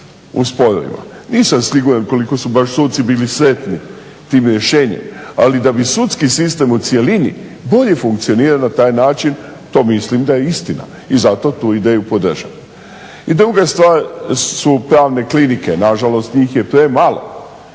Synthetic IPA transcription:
ṵspo̞ɾo̰ʋḭma̰ | niːsamsiɡuɾanko̞liko̞subaʃsut̪t̪sibiːlisɾe̞t̪ni | t̪iːmɾje̞ʃeːɲḛma̰lid̪abisut̪skisist̪e̞mut̪sje̞linḭ | bo̞ʎe̞fuŋk̚t̪sio̞niːɾalnat̪aːjnaːt͡ʃin | t̪o̞ːmislimd̪ajeist̪ina̰ | izat̪o̞t̪uːid̪eːjupo̞d̪r̩ʒaʋa | id̪ɾuɡast̪ʋaːɾsupɾaːʋne̞klinike̞naʒalo̞st̪ɲiːxjepɾe̞malo̞̰

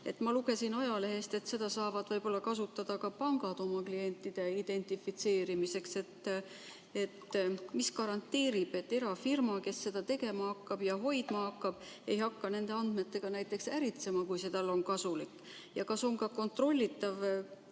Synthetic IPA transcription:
e̞t̪ːˑmɑluɡ̥e̞sinɑjɑle̞ɦe̞st̪e̞t̪se̞d̪̥ɑsɑːvɑd̪vɤjbo̞lːɑkɑsut̪ːɑd̪̥ɑkɑpɑŋɡ̥ɑd̪o̞mɑklije̞nʲt̪ˑːid̪̥e̞id̪̥e̞nʲt̪ˑifit̪se̞ːɾimise̞kse̞t̪ː | et̪ːmiskɑɾɑnt̪ːeːɾib̥e̞t̪ːe̞ɾɑfirmɑke̞sːe̞d̪̥ɑt̪e̞ɡe̞mɑhɑkːɑb̥jɑɦo̞jd̪̥mɑhɑkːɑb̥e̞jhɑkːɑne̞nd̪e̞ɑnd̪̥me̞t̪ːˑe̞ɡ̥ɑnæjt̪ːˑe̞ksæɾit̪se̞mɑkujse̞t̪ɑlːo̞nkɑsulikː | jɑkɑso̞ŋkɑko̞nt̪ro̞lʲːit̪ːˑɑv

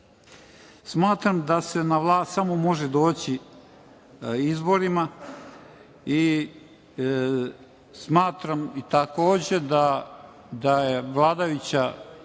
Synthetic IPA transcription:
smaːt̪ɾamd̪ase̞naʋlˠaːst̪samo̞mo̞ʒed̪o̞ːt͡ɕi | izbo̞ɾima | i | smaːt̪ɾamit̪akoːd͡ʑe̞d̪a | d̪ajeʋlˠaːd̪ajut͡ɕa

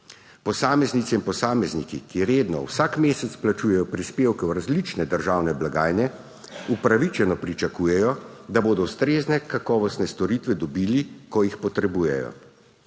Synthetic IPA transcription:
pɔsaːmɛznit̪sɛinpɔsaːmɛznikikiɾeːd̪nɔ̰wsaːkmeːsɛt̪splat͡ʃuːjɛjɔpɾispeːwkɛwɾazlit͡ʃnɛd̪əɾʒaːwnɛblaɡaːjnɛ | upɾaʋit͡ʃɛnɔpɾit͡ʃakuːjɛjɔd̪aboːd̪ɔwst̪ɾeːznɛkakɔːʋɔst̪nɛst̪ɔɾiːt̪ʋɛd̪ɔbiːlikɔjixpɔt̪ɾɛbuːjɛ̰jɔ̰

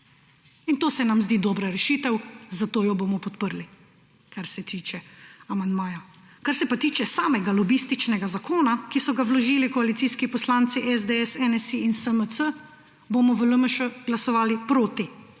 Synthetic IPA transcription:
int̪oːsɛnamzd̪iːd̪ɔːbɾaɾɛʃiːt̪ɛwzat̪oːjɔbomɔpɔt̪pəɾli | kaɾsɛt̪iːt͡ʃɛamand̪maːjɔ | kaɾsɛpat̪iːt͡ʃɛsaːmɛɡalɔbist̪it͡ʃnɛɡazakʰoːnakisɔɡaʋlɔʒiːlikɔalit̪siːskipɔslant̪siʔɛzd̪eɛsɛnɛsiinsəməsə | boːmɔʋələməʃuɡlasɔʋaːlipɾoːt̪i

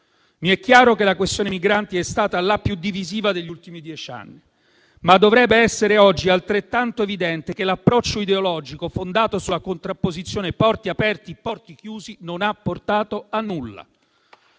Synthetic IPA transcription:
miɛkːjaːɾokelakwest̪joːnemiɡɾant̪iɛst̪aːt̪alapːjud̪ːiviziːvad̪eʎːult̪imid̪jɛt͡ʃa̰nːi | mad̪ːovɾɛbːeɛsːeɾeɔd͡ʒːialt̪ɾet̪ːant̪oevid̪ɛnt̪ekelːapːɾɔt͡ʃːoid̪eolɔd͡ʒikofond̪aːt̪osulakont̪ɾapːozit̪sːjoːnepɔrt̪iapɛrt̪ipɔrt̪ikjuːzinonapːort̪aːt̪oanːulːa̰

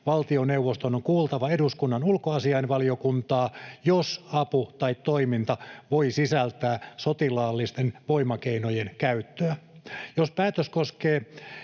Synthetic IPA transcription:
ʋɑlt̪ioneuwʋost̪onoŋkuːlt̪ɑʋɑeduskunːɑnulkoɑsiɑinʋɑlio̞kunt̪ɑːjosɑput̪ɑit̪t̪oimint̪ɑʋo̞isisælt̪æːsot̪ilɑːlːist̪enʋoimɑkeinojenkæyt̪ːøæjospæːt̪øskoskeː

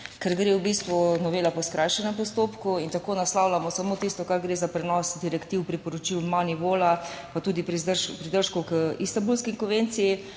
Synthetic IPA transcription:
kɛɾɡɾewbist̪ʋunɔʋeːlapɔskɾʔajʃɛnɛmpɔst̪oːpkuint̪akoːnaslawlamɔsamot̪ist̪ɔkaɾɡɾeːzapɾɛnɔsd̪iɾɛkt̪iwpɾipɔɾɔt͡ʃiwmaniʋoːlapat̪uːd̪ipɾiəpɾid̪əɾʃkɔkəist̪ambulskiŋkɔnʋent̪siji

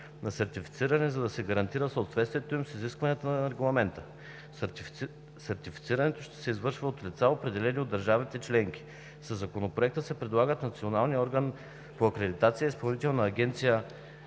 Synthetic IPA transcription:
nɐsɛɾt̪ifit̪siɾɐnɛzɐd̪ɐsɛɡɐɾɐnt̪iɾəsɐʊt̪vɛt̪st̪vijɛt̪oimsiziskvɐniət̪ənɐɾɛɡlˠɐmɛnt̪ə | sɛɾt̪ifi̥t̪siɾɐnɛt̪oʃt̪ɛ̥sɛizvɤɾʃvɐot̪lʲit̪saopɾɛd̪ɛlɛniod̪ːɐɾʒavit̪ɛt͡ʃlɛŋki̥ | sɐzːɐkonopɾoɛk̚t̪əsɛpɾɛd̪lˠaɡət̪nɐt̪sionalˠniɔɾɡən | poɐkɾɛd̪it̪at̪sijəispɐlˠnit̪ɛlˠnɐːɡʲɛnt̪sijə

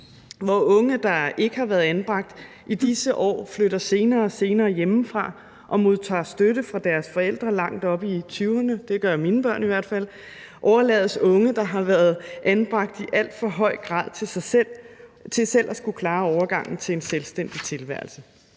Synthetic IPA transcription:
ʋɒɔ̽ŋəd̥ɑ̈e̝ɡ̥əhɑ̈ʋæɐðˠænb̥ʁɑ̈ɡ̥̚d̥ | ʔid̥isəʔɒ̰ːfløɾɐse̝ːnɐːse̝ːnɐːjemfʁɑ̈ | ʔɒ̽mo̝ðˠt͡sʰɑ̰̈ːsd̥øɾəfʁɑ̈d̥æɐsfɒ̽el̰d̥ʁɐlɑ̈ŋ̰d̥ɒ̽b̥it͡sʰyʊɐnəd̥e̝ɡ̥ɶɐminəb̥ɶɐ̰niʋæɐ̰d̥fæl̰ | ʔɒʊɐlɛ̰ːðˠəsɔ̽ŋəd̥ɑ̈ɦɑ̈ʋæɐð̞ˠʔænb̥ʁɑ̈ɡ̥̚d̥iʔæl̰d̥fɒ̽ɦɒ̽ɪ̰ɡ̥ʁɑ̰̈ðˠt͡sʰel̰t͡sʰe̝sel̰ʔæsɡ̥ukʰlɑ̈ːɒʊɐɡ̥ɑ̈ŋ̰n̩t͡sʰe̝enselsd̥en̰d̥it͡sʰe̝lʋæɐlsə

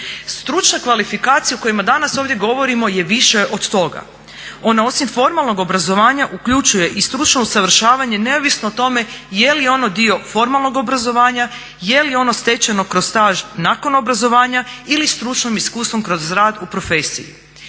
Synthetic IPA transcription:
st̪ɾut͡ʃnakʋalifikaːt̪sijaoko̞jimad̪anaso̞ːʋdje̞ɡo̞ʋo̞ɾimo̞je̞ʋiʃe̞ʔod̪t̪o̞ɡa̰ | o̞nao̞simfo̞ɾmalˠno̞ɡo̞bɾazo̞ʋaːɲaʔukʎut͡ʃuje̞ʔist̪ɾut͡ʃno̞usaʋr̩ʃaːʋaɲe̞ne̞oʋisnoːt̪o̞me̞je̞lijo̞no̞d̪io̞fo̞ɾmalˠno̞ɡo̞bɾazo̞ʋaːɲa | je̞lio̞no̞st̪e̞t͡ɕano̞kɾo̞st̪aːʒnaːko̞no̞bɾazo̞ʋaːɲailist̪ɾut͡ʃnomiskuːst̪ʋo̞mkɾo̞zɾaːd̪upɾo̞feːsḭjḭ

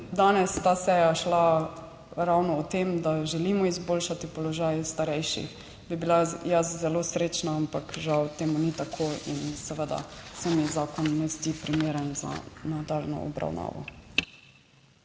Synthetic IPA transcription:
d̪aːnɛst̪aːsɛjaʃla | ɾawnɔɔt̪emd̪aʒɛlimɔizboːlʃat̪ipɔlɔʒajst̪aɾɛjʃḭx | bibilajaszɛloːsɾeːt͡ʃnaampakʒawt̪eːmunit̪akʰoːinsɛʋəd̪a̰sɛmizaːkɔnːɛzd̪ipɾimeːɾənza̰nad̪alnɔ̰ɔ̰bɾa̰wna̰ːʋɔ̰

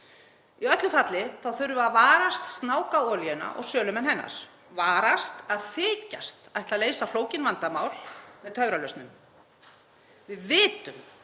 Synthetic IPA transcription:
iœt̪lʏθat̪lɪθawθœɾʏaðvaːɾast̪st̪naːwkaɔːljʏna̰ʔɔ̰ɣsœːlʏmɛnɦɛnːa̰ɾ̥ | vaːɾast̪aðθɪːca̰st̪aðɛt̪aðleːjsafloːwcɪnvant̪amaːwlmɛðt̪ʰœvɾalœɥst̪nʏm | vɪðvɪːt̪ʏm

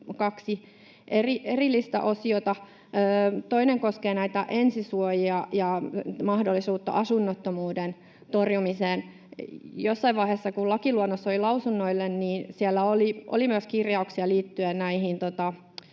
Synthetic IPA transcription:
kɑksi | ʔeriʔerilːist̪æ̰ʔosiot̪ɑ | øːt̪oineŋkoskeːnæit̪æʔensisuojiɑjɑmɑhdolːisuːt̪ːɑ̰ʔɑsunːot̪ːomuːden | t̪orjumiseːn | josːɑiʋɑiheːsːɑkulɑkiluonːosːolilɑusunːoilːenniːnsielːæoliʔo̰limyøəskirjɑuksiɑliːt̪ːyennæihint̪ot̪ɑ

